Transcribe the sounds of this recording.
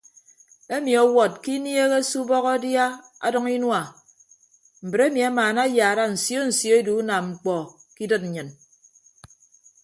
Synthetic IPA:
e˦mi˨ɔ˨wɔ˨t̚ki˦nje˦ɣe˦su˦bɔ˦ɣɔ˦dja˦ | a̰˦dɔ˦ŋi˦nwa˨ | m̩˨bɨ˨ɾe˦mi˨a˦maː˨na˦jaː˨ɾa˦n̩˨sjo˦n̩˨sjo˦e˦du˨˦na˨ŋ͡m̩˨k͡pɔ˨ki˦dɨ˦t̚n̩˨ɲɨ˨n

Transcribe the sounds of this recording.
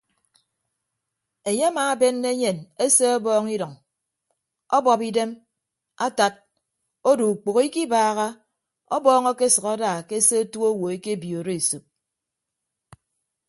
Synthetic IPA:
e˨ɲe˦a˦maː˨˦be˦nːe˦ɲe˨ne˦se˦ɔ˦bɔː˦ŋi˦dɔ˨ŋ | ɔ˦bɔ˨pi˦de˦m | a˦ta˨t̚ | o˦du˨u˨k͡po˨ɣi˦ki˦baː˦ɣa˦ | ɔ˦bɔː˦ŋɔ˦ke˦sʌ˨ɣa˦daː˨ke˦se˦o˦tu˦o˦wo˨e˦ke˦˨bjo˨ɾe˦e˨su˨p̚

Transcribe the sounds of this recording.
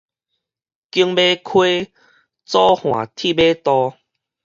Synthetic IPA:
ki˧əŋbe˦kʰwe˦ | t͡sɔ˦hw̃ã̰˨˩t̪ʰi˥˧˨be˦t̪ɔ˧

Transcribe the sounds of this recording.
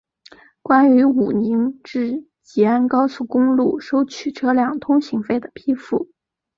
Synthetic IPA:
kwa˥ny˧˥u˨˩ni˧˥ŋʈ͡ʂɻ̩˥˩ | t͡ɕi˧˥a˥nkɑ˥ʊsu˥˩kʊ˥ŋlu˥˩ʂo˥ʊt͡ɕʰy˨˩ʈ͡ʂʰɤ˥ljɑ˥˩ŋt̪ʰʊ˥ŋɕi˧˥ŋfe˥˩ɪd̪ə˩pʰi˥fu˥˩

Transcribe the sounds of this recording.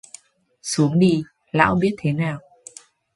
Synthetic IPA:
su˨˦əŋɗi˧ | la̰ː˧˥wɓi˦˥ət̚t̪ʰe˨˦naː˨˩w

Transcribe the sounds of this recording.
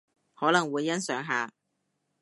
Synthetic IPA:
hɔː˨˥lɐ˨˩ŋwuː˨˧jːɐ˥nsœː˨˥ŋɦaː˨˧

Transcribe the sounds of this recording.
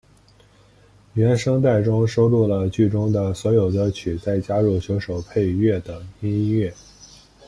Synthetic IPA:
ɥɛ˧˥nʂɤ˥ŋt̪̬a˥˩ɪʈ͡ʂʊ˥ŋʂo˥ʊlu˥˩lə˩t͡ɕy˥˩ʈ͡ʂʊ˥ŋd̪ə˨˩swɔ˧˥jo˨˩ʊd̪ə˧˥t͡ɕʰy˨˩t͡sa˥˩ɪt͡ɕja˥ɻu˥˩ɕjo˧˥ʊʂo˨˩ʊpʰe˥˧ɪɥɛ˥˩t̪ɤ˨˩ŋi˥nɥɛ˥˩

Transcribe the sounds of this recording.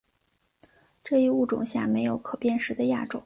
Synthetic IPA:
ʈ͡ʂɤ˥˧i˥˧u˥˩ʈ͡ʂʊ̰˨˩ŋɕja̰˥˩me˧˥ɪjo˧˥ʊkʰɤ˨˩pjɛ˥˧nʂɻ̩˧˥d̪ə˧ja˥˩ʈ͡ʂo̰˨˩˦ŋ

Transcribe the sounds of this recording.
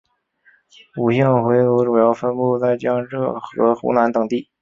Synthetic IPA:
u˨˩ɕɛ˥˩ŋxwe˧˥ɪo˧˥ʈ͡ʂu˨˩jɑ˥˩ʊfə˥npu˥˧t͡sa˥˩ɪt͡ɕjɑ˥ŋʈ͡ʂɤ˥˩xɤ̰˧˥xṵ˧˥na˧˥nt̪ɤ˨˩ŋt̪i˥˩

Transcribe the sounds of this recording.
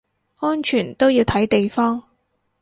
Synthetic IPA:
ɔː˥nt͡ʃʰyː˨˩nt̪o˥wjiː˧wt̪ʰɐ˨˥jt̪e˨jfɔː˥ŋ

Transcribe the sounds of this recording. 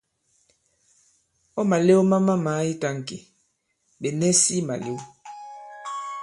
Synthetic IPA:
ɔ˦ma˨le˦wo˦ma˦ma˦ma˨˦i˦ta˨ŋ˨ke˨ | be˨nɛ˦si˦ma̰˨le˦o˦

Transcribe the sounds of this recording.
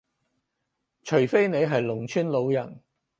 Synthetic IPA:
t͡ʃʰɵ˨˩fe˥jne˨˧jɦɐ˨jlʊ˨˩ŋt͡ʃʰyː˥nlo˨˧wjɐ˨˩n

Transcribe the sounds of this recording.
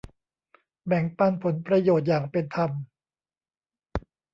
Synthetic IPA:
bɛ˨˩˦ŋpa˧npʰo˩˦npɾa˧joː˨˩t̪̚jaː˨˩ŋpe˧nt̪ʰa˧m

